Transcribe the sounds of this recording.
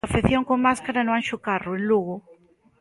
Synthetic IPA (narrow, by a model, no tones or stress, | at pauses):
afeθjoŋkoŋmaskaɾanʊanʃʊkarʊenluɣʊ